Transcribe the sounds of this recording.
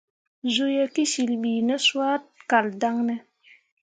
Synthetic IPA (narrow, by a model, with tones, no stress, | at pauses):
zu˦je˦ki˦ʃi˨lɓiː˨ne˦swa˦t̚ka˨lda˦ŋnɛ˦